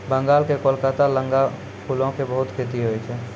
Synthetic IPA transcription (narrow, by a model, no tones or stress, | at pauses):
bəŋɡalkekolkat̪aləŋɡa | pʰulõkebəɦut̪kʰet̪iɦojt͡ʃʰɛ